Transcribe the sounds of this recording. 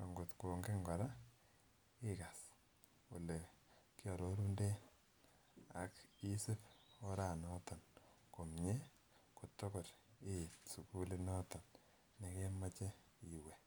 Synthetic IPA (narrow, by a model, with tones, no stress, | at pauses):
ka˨ŋɡo˨tko˨ŋɡe˦ŋɡɔ˨ɾa˦ | i˦ka˨s | o˨le˨kjɔ˨ɾo˦ɾu˦nde˦ | a̰˨ki˦sɪ˦po˦ɾa˨nɔ˦tɔ˨n | ko˨mɲe˦ | ko˨to˦ko˨ɾe˦tsu˨ku˦le˦nɔ˦tɔ˨nː | e˨ke˦ma˦t͡ʃe˦ | i˨we˨